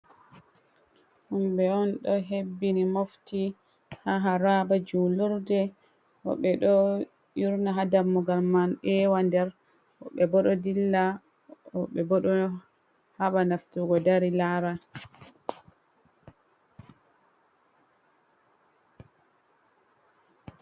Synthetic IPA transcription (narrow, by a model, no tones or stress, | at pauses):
humɓɛɔnɗɔɦebːinimofti | haɦaɾabad͡ʒuluɾdɛ | ʔɔ̰ɓɛɗɔ | juɾnaɦadamːɔɡalːanʔɛːwandɛɾ | ɔɓɛbɔɗɔdilːa | ɔɓɛbɔɗɔ | haɓanaftuɡɔdaɾilaːɾa